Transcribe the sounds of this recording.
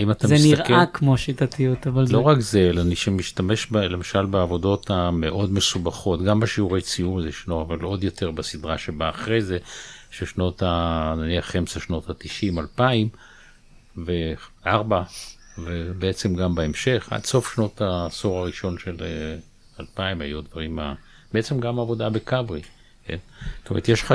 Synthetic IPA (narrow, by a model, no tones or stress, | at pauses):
aimat̪amzeinstiaʁkeakmoʃit̪at̪ijut̪avalloʁakzelaniʃemiʃt̪ame̞ʃbelemaʃalbeavo̞do̞t̪ameʔo̞dme̞subaχo̞tɡambaʃiuʁejt͡sijumzeʃnoavalo̞d̪jo̞t̪ʰe̞ʁbasidʁaʃebaːχʁe̞jzeʃeʃno̞t̪ananiaχːemsaʃno̞t̪hat̪iʃimalpaim | veʔaʁba | vebeet͡semɡambaemʃe̞χa̰dso̞fʃno̞t̪asoʁaʁiʃo̞nʃele | alpaimhajud̪vaʁima̰ | b̥eet͡semɡamaavo̞dabekavʁi | kḛnotomeʁet̪jeʃa